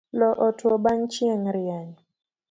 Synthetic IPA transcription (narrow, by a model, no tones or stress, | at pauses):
lɔʔɔtwɔbaŋt͡ʃjɛŋɾɪaɲ